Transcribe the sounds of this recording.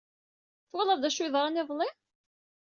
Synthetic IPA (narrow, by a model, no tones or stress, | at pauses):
θwɑlˤɑðˤd̪æʃuðˤɾˤɑnɪðˤlˤi